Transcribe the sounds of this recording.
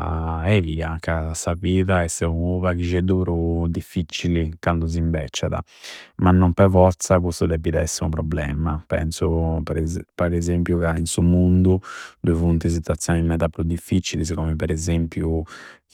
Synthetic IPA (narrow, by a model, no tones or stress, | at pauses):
ɛviakasaviːðaɛsɛuuvakid͡ʒɛd̪uɾud̪ifːit͡ʃːilikand̪uz̬imbɛ̰t͡ʃːaða̰ | manːɔmpɛvɔɾt̪sakust̪ud̪ɛpːiðɛɛsːimupɾɔblɛːmapɛ̰nsupɾpaɾɛzempjukainsumund̪ud̪uivunt̪is̬it̪wat̪sːjɔːnimɛt̪apːɾud̪ifːit͡ʃilis̬ikɔmɛpɛɾɛzempju